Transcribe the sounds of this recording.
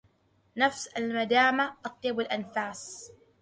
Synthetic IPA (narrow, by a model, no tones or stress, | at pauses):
nafsalmad̪aːmaʔɑt̪ˤjɑbalʔanfaːs